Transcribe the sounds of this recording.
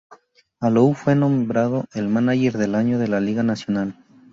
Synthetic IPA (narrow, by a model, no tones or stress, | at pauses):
aloufwe̞nõ̞mbɾaðo̞ʔe̞lmanaʝe̞ɾðe̞laɲo̞ðe̞laliɣanasjo̞nal